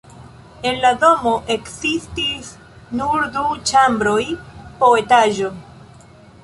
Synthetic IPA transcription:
e̞nladoɦoʔe̞ksistis | nuɾdut͡ʃambɾo̞jpo̞e̞taʒo̞

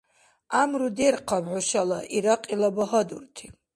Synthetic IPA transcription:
amɾud̪erqʰabʕʷʊʃalaʔiɾaqʼilabaɦad̪ṵrt̪ʰi̥

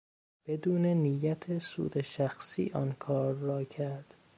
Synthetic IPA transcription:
b̥ed̪uːnenijæt̪ʰesṵːd̪eʃæxsḭːʔɒnkʰɒːɾːɒːcʰæɾd̪̥

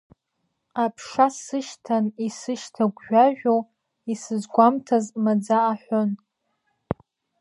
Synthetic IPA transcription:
apʰʂasɨʃtʰanisɨʃtʰaɡʷʒᶣaʒᶣʷow | isɨzɡʷamtʰazmad͡zaːħʷon

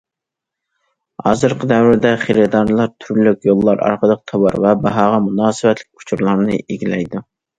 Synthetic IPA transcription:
hɑ̰ːzɨɾqʰəd̪ɛwɪɾd̪ɛχeɾɨd̪ɑɾlˠɑɾt̪ʰyɾlykʲjolˠːɑɾɑ̰ɾqʰəd̪əq̚t̪ʰɑwɑɾvɛbɑɦɑːʁɑmunɑːsɨvɛt̪lɪ̥k̚ʲu̥t͡ʃʰuɾlˠɑɾnɨʔeɡʲilɛjd̪u

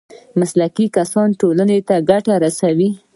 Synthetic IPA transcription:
maslakikasɑnʈolanet̪aɡaʈaɾasawi

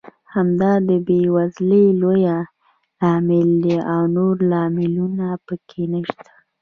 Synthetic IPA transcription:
hamd̪ɑd̪əbewazləloja | lɑmɪld̪eʔawnoɾlɑmɪlunapəkʰenəʃt̪ḁ

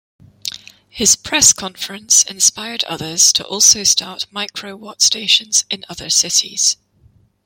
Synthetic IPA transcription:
hɪz̥pʰɹ̥ɛskʰɒ̃ɱfəɹə̃nsɪ̰̃nspaɪə˞dʌ̰ðə˞z̥tʰə̰ʔɔˑlˠsoʊstʰɑɹʔmaɪkʰɹoʊwɔtsteɪʃə̃nz̥ɪ̃nʌðəsɪʔḭz̥

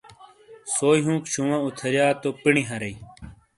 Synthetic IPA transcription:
soːjɦũːkɕʰũwãut̪ʰɐɾjaːt̪oːpiɳiɦɐɾɐi

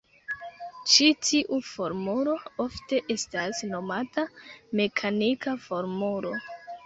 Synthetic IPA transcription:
t͡ʃitʰiʔufo̞ɾmulo̞o̞fte̞ʔe̞stasno̞matame̞kʰanikafo̞ɾmulo̞

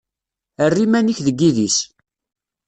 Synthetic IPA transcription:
ərːimæniçðəɡːiðis

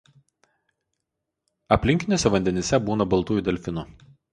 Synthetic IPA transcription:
ɐpʲlʲɪŋʲkʲɪnʲoːsʲɛʋɐnʲd̪ʲɛnʲesʲɛbuːnɐbɐlˠt̪uːjud̪ʲɛlʲfʲɪnʊ

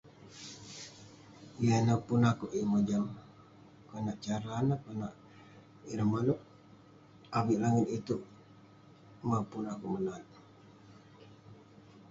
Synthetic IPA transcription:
ijanapunakoʔimod͡ʒam | konaʔt͡ʃaɾanakonaʔ | iɾamaloʔ | aβiʔlaŋit̪it̪uʔ | mapunakuʔmənat̪̚

